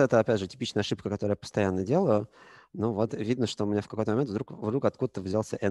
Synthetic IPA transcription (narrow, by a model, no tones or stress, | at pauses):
ɛt̪əɐpʲædʲʐɨtʲɪ̥pʲit͡ɕnəjəɐʂɨpkəkɐt̪o̞ɾəjapəst̪ɐjanːədʲelˠəjʊnovo̞t̪vʲid̪nəʂt̪oʊmʲɪnʲafkɐko̞jt̪əmɐment̪vd̪ɾukvd̪ɾukɐt̪̚kud̪ət̪ːəvʲzʲalˠsʲə̰ʔɛ